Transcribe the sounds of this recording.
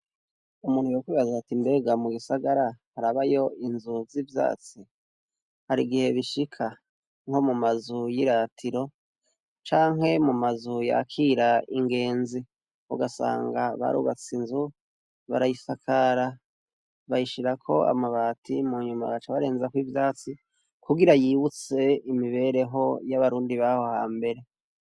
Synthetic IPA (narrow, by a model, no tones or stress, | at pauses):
umuːn̥hujokwiːβazatimbe̞ɡamuɡisaɡaɾahaɾaβajo̞inzuvzivja̰ːt͡si | haɾiɡihe̞βiʃikʰa | ŋho̞mumazujiɾatʰiɾo̞ | t͡ʃaːŋɦe̞mumazuja̰kʰiɾaiŋɡe̞ːnzi | ṵɡasa̰ːŋɡaβa̰ɾṵβat͡sinzu | βa̰ɾajisakʰaɾa | βaiʃiɾakʰo̞a̰maβaːtimuɲuma̰βat͡ʃaβaɾeːnzakwivjaːt͡si | kuɡiɾajiːβut͡se̞imiβe̞ːɾe̞ɦo̞jaβaɾuːndiβaho̞haːmbe̞ɾe̞